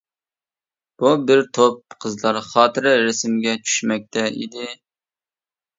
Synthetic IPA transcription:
b̥ubɪɾt̪ʰop̚qʰəzlˠɑɾχɑːt̪ʰɨɾɨɾɪsɪmɡʲɛt͡ʃʰy̥ʃmɛk̚ʲt̪ʰɛḭd̪ɪ

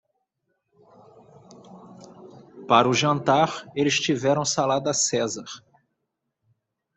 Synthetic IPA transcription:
paɾʊʒɐ̃nt̪aɾelɪst͡ʃivɛɾɐ̃w̃salad̪ɐsɛzaɾ

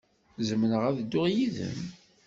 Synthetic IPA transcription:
zəmənəʁæðd̪ːʊʁjiðə̰m

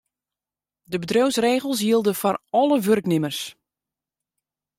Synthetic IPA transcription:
dəbədrøwsreːɣəlˠs̬jiəlˠdəfɔrɔləʋørknɪmərs

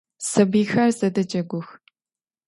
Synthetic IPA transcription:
sɐbiːxɐrzɐdɐd͡ʒɐɡʷʊx

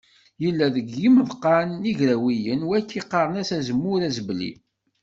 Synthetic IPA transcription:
jəlːæðəɡːiməvqːɑniʝɾæwijənwækːiqːɑɾˤənæsæzəmːʊɾæzblḭ

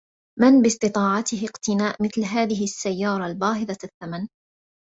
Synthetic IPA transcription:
manbɪsˤt̪ɨt̪ˤɑːʕɑt̪ɪɦɪqt̪ɪnaːʔmɪθlɦaːðɪɦɪasːajːɑːɾˤɑlbɑːɦɪðɑθːaman

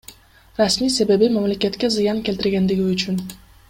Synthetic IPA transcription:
ɾasmijse̞be̞bimamle̞kʲet̪kʲezɨjɑŋkʲe̞lʲt̪ɪɾɡʲe̞nd̪ɪɡʲiyt͡ʃyn

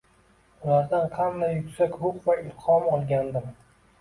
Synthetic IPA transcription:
ʊlaɾd̪anqʰɑnd̪ajːʊkʲsakʲɾʊqvaɪlˠqɒmɒlˠɡʲand̪ɪm

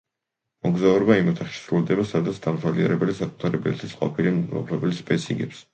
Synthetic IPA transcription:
mɔɡzauɾɔbaimɔt̪ʰaχʃi̥sɾuld̪ɛbasad̪at̪sʰd̪amsʰaliɛɾɛbɛlisakʼu̥t̪ʰaɾɛblɛ̰t̪ʰi̥sqʼɔ̰pʰilimmɔ̰pʰlɛbɛlspʼɛsiŋɡɛps

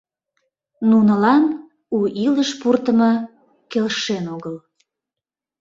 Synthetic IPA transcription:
nunəlɑn | uʔiləʃpurt̪əmɤ | kelʃenoɣəl

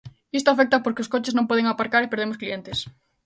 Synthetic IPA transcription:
ist̪ʊafɛk̚t̪ɐpoɾkeʊskot͡ʃeznõmpɔðeŋapaɾkaɾepeɾðemʊsklient̪es

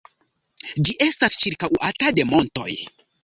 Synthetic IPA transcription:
d͡ʒiʔe̞stast͡ʃiɾkawatade̞mo̞nto̞̰j

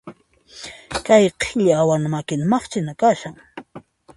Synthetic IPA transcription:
kajqʰeʎɪawaŋmakɪnmɑχt͡ʃɪnakaʃaŋ

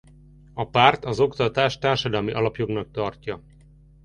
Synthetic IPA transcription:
ɒpaːrt̪ɒzo̞kt̪ɒt̪aːʃt̪aːrʃɒd̪ɒlmiʔɒlɒpjo̞ɡnɒk̚t̪ɒrcɒ

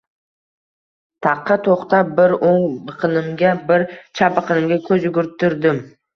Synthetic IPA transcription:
t̪ʰɑqʰːɑt̪ʰoχt̪abɪɾoŋbɨqʰɨnɪmɡʲabɪɾt͡ʃʰabɨqʰɨnɪmɡʲakʲʰɵzʊɡʲʊɾt̪ʰːɪɾd̪ɪm

